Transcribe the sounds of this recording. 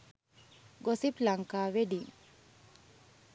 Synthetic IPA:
ɡosiplaŋkaːʋeɖiŋ

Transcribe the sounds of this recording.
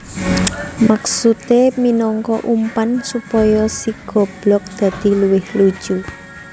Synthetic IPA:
maksut̪eminɔŋkɔʔumpansupɔjɔsiɡ̥ɔ̤b̥lɔk̚d̪̥ä̤d̪̥i̤luwɪhlu̥ʒ̥u

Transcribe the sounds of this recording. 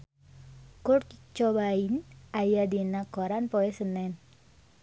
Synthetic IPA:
kʊrt͡ʃɔbainajadinakoɾanpoesənɛn

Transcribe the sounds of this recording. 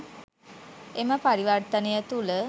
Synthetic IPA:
eməpaɾiʋərt̪ənəjət̪ulə

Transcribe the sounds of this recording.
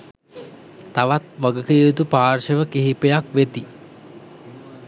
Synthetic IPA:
t̪aʋat̪ʋaɡəkəut̪upaːrʃəʋəkeɦipejakʋet̪i

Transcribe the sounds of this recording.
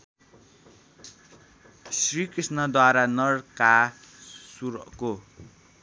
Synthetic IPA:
srikrisnʌd̪waɾanʌrka | suɾʌko

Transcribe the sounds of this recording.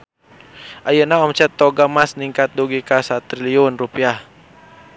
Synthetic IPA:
ʔajənaɔmt͡ʃɛt̪ːɔɡamasniŋkat̪̚duɡikasat̪ɾiliunrupiah

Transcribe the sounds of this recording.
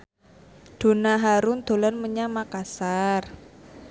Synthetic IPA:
d̥o̤naɦaɾʊnd̪̥o̤lanməɲamakasar

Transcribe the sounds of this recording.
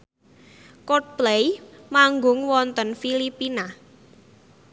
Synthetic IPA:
kɔt̚plejmaŋɡʊŋwɔnt̪ənfilipina

